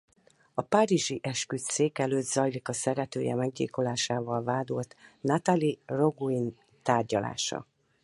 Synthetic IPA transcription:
ɒpaɾiʒiʔɛʃkyt̪seːkɛløːd̪zɒjlikɒsɛɾɛt̪øːjɛ̰mɛɡɟḛːko̞laːʃaːvɒlvaːd̪olt̪nat̪aliro̞ɡuin | t̪aːrɟɒla̰ːʃɒ̰

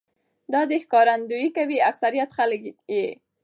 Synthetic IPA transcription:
d̪ɑd̪əxkɑɾand̪ujikawiaksaɾijat̪xaləkje

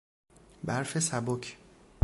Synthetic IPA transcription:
bæɾfe̞sæbocʰ

